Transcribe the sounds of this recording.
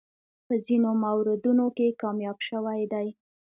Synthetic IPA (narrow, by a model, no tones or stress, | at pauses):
pəzinomawɾɪd̪unokekɑmjɑbʃəwajd̪aj